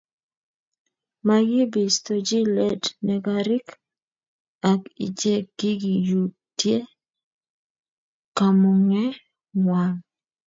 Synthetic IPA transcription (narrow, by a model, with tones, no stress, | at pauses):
ma˨ɡɪ˦bɪ˨st̪o˨d͡ʒi˦lɛ˨dnɛ˨ɡa˨ɾɪ˦k | a˨kɪ̰˨d͡ʒe˦kɡɪ˦ɡi˨ju˨ | tje˦ | ka˨mo˨ŋɛ˦ | wa˨ŋ